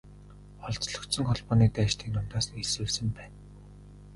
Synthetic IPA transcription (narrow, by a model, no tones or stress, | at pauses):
ɔɮt͡sɮɞ̆k̪sɞ̆ŋχɔɮpɔːniːk̚t̪æːʃt̪ʰiːŋnʊmt̪aːsniɮswɘːɮsɘ̆mpæːn